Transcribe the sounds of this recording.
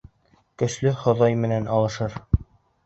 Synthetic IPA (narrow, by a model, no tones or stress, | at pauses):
kɵ̆ʃlɵχŏðɑjmɘ̆nænɑlˠɤ̆ʃɤɾ